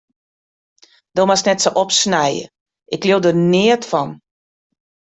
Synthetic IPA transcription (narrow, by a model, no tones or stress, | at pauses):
d̥omasnɛtsoʔɔpsnɛjə̰ | ʔɪklodənɪətfɔn